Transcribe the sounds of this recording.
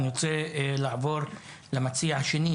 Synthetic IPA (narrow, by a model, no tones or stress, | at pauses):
njot͡selaʕvo̞ɾ | lamat͡siahaʃeni